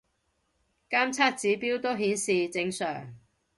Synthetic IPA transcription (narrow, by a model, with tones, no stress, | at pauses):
kaː˥mt͡sʰaː˥t̚t͡siː˨˥piː˥wt̪o˥wɦiː˨˥nsiː˨t͡sɪ˨˧˥ŋsœ̰ː˨˩ŋ